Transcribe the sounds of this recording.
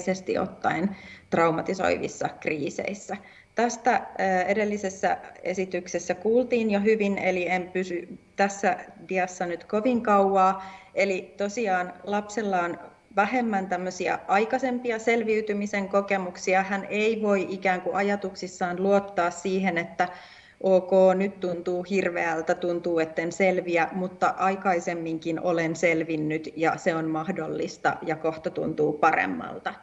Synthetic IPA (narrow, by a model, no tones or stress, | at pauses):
sest̪ḭʔo̰t̪ːɑint̪rɑumɑt̪iso̞̰iʋḭsːɑkriːsḛisːæ | t̪æst̪æːedelːisesːæ̰ḛsit̪yksesːækuːlt̪iːnjoɦyʋineliempysyt̪æsːædiɑsːɑnyt̪ko̞ʋiŋkɑuɑːelit̪o̞siɑːnlɑpselːɑːn | ʋæɦe̞mːænt̪æmːøsiɑ̰ɑikɑsempiɑselʋiyt̪ymiseŋkokemuksiɑhænʔeiʋoiʔikæːŋkuʔɑjɑt̪uksisːɑːnluot̪ːɑːssiːhenet̪ːæ | ʔoːkoːnyt̪t̪unt̪uːhirʋeælt̪æt̪unt̪uːet̪ːenselʋiæmut̪ːɑʔɑikɑisemːiŋkinʔolenselʋinːyt̪jɑseonmɑhdolːist̪ɑ̰jɑkoht̪ot̪ṵnt̪uːpɑrḛmːɑ̰lt̪ɑ